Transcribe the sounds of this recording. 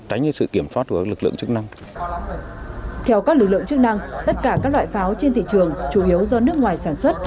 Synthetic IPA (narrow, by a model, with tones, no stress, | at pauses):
ka˨˦ŋɲɨ˧sɨ̰˧˨ki˧˩əmswaː˦˥t̚ku˧˩a˦˥lk̚lɨ̰˧˨ə˨ŋt͡ɕɨ˦˥k̚na˧ŋ | t̪ʰɛ˧wkaː˦˥k̚lɨ˨˩k̚lɨ̰˧˨ŋt͡ɕɨ˦˥k̚na˧ŋt̪ə˦˥t̚kaː˧˩kaː˦˥k̚la̰ː˧˨jfaː˨˦wt͡ɕe˧nt̪ʰḭ˧˨t͡ɕɨ˨˩əŋt͡ɕu˧˩ʔi˨˦əwzɔ˧nɨ˦˥əkŋwaː˨˩jsaː˧˩nswə˦˥t̚